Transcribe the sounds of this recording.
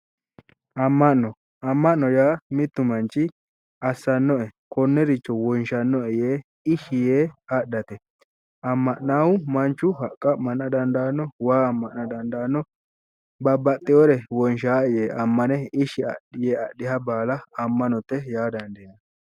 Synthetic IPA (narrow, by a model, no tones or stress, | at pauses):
ʔɐmːɐnːɔ | ɐmːɐʔːɔjaːmɪt̪ːʊmɐnt͡ʃːɪ | ɐsːɐnːɔɛkɔnːɛɾɪt͡ʃːɔwɔnʃɐnːɔɛjeː | ɪʃɪjeːɐɗɐt̪ɛ | ɐmːɐʔnaːwʊmɐnt͡ʃːʊhɐkʼːɐmɐnːɐd̪ɐnd̪aːnːɔwaːɐmːɐʔnɐd̪ɐnd̪aːnːɔ | bɐbɐt̪ʼːɪjɔɾɛwɔnʃaːɛjeːʔɐmːɐnɛɪʃɪɐ̰ɗɪjeːɐɗːɪhɐbaːlɐɐmːɐnɔt̪ːɛjaːd̪ɐnd̪eːnɐ